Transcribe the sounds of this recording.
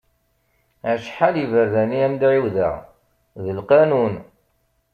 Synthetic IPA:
æʃħalivəɾðæniæmd̪ʕiwðæ̰ʁ | ðəlqɑnun

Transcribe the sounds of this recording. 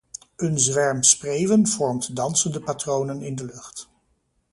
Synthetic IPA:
ənzʋɛɹmsprejvənv̥ɔɹmtdɑnsəndəpatrownənɪndəlɵχt

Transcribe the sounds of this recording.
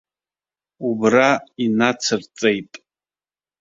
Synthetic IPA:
ubrainat͡sʰɨrt͡sʼejtʼ

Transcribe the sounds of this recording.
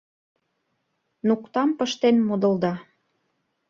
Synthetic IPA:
nukt̪ɑmpə̆ʃt̪enmud̪ɤ̆ld̪ɑ

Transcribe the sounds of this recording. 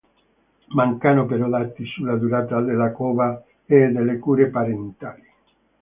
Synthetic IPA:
maŋkaːnopeɾolat̪ːisulːad̪uɾaːt̪ad̪elakɔːva | ɛd̪elːekuːɾepaɾent̪aːli

